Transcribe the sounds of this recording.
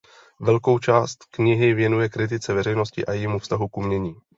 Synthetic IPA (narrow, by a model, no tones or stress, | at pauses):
vɛlko̞wt͡ʃaːst̪kɲɪɦɪvjɛnujɛkɾɪt̪̬ɪt͡sɛvɛɾɛjnoscɪʔajɛmufst̪aɦukumɲɛɲiː